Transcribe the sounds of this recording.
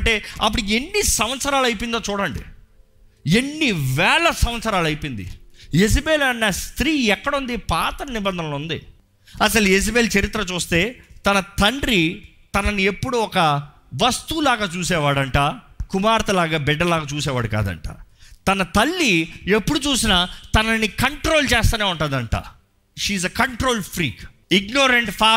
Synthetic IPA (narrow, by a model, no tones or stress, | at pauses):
ɳʈe̞ːɐp̬ːuɽukenːisɐmʋɐt̪sɐɾaːlɐjp̬ind̪oːt͡ʃuːɽɐɳɖḭ | e̞nːiʋɛːlɐsɐm̃ʋɐt̪sɐɾaːlɐjpind̪ḭes̬ibeːlɐnːɐst̪ɾiːɛkːɐɽund̪ipaːt̪ɐɾɐnibɐnd̪ʱɐnɐlund̪ḭ | ɐsɐlues̬ibeːlt͡ʃɐɾit̪ɾɐt͡ʃuːst̪e̞ːt̪ɐnɐt̪ɐɳɖɾi | t̪ɐnɐniepːuɽuɔkɐ | ʋɐst̪ulaːɡaːt͡ʃuːsɛːʋaːɽɐɳʈaːkumaːɾt̪ɐlaːɡaːbɛɖːɐlaːɡaːt͡ʃuːs̬ɛːʋaːɽuka̰ːd̪ɐ̰ɳʈa̰ːt̪ɐnɐt̪ɐlːie̞pːuɽut͡ʃuːsinat̪ɐnɐnikɐɳʈɾoːlt͡ʃeːst̪aːneːuɳʈund̪ɐɳʈa̰ː | ʃiːzekɐɳʈɾoːlpʰɾḭːk | iɡnoːɾeɳʈpʰaː